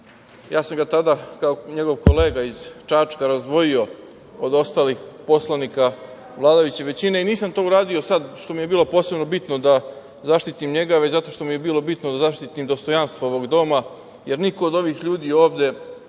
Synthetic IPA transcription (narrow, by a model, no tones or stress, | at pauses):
jaːsamɡat̪ad̪aːkaoɲe̞ɡo̞ʋko̞le̞ːɡaiz̥t͡ʃat͡ʂkaɾazd̪ʋo̞jio̞ | od̪o̞st̪aːlixpo̞slˠanika | ʋlˠaːd̪ajut͡ɕe̞ʋe̞t͡ɕine̞iniːsamt̪o̞ːuɾaːd̪io̞sad̪ʃt̪o̞mije̞biːlo̞po̞ːse̞bno̞bit̪nod̪a | zaʃt̪it̪imɲe̞ɡaʋet͡ɕzat̪o̞ʂt̪o̞mije̞biːlˠo̞bit̪nod̪azaʃt̪it̪imd̪o̞st̪o̞janst̪ʋooʋo̞ɡd̪o̞ma | je̞ɾniko̞ːd̪o̞ʋixʎuːd̪iːo̞ːʋd̪e̞